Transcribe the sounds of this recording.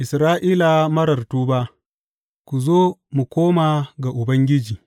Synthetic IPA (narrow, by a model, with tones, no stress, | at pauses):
ʔɪ˨sɾaː˦ʔiː˦la˨mɐ˦ɾɐ˨rtuː˦ba˦ | kʷu˨zoː˦mu˨kʷoː˦maː˨ɡa˨ʔʊ˨bɐ˦ŋɡʲɪ˦d͡ʒiː˨